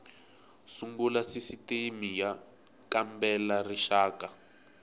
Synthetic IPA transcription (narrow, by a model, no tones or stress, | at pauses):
suŋbulasisitemija | kambɛlariʃaːka